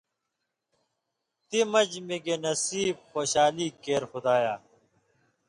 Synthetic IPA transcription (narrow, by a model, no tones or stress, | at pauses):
t̪imɐd͡ʑmiɡenɐsiːb̚xoːɕaːliːkeːɾxʊd̪aːjaː